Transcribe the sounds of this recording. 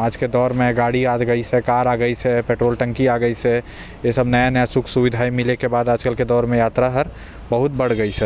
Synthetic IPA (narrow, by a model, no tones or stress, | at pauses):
aːd͡ʒked̪ɔːɾmẽɡaɽiad̪ɡəisɛkaɾaɡəisɛpeʈɾoːlʈə̃ŋkiaɡəisɛ | esəbnəjanəjasukʰsubid̪ʱajmilekebad̪aːd͡ʒkəlked̪ɔːɾmẽjat̪ɾaɦəɾ | bəɦut̪̚bəɽ̤ɡəsɛ